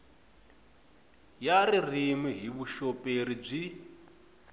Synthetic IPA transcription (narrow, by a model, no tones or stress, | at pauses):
jaririmiɦiβuʃɔpʼeɾib͡ʐi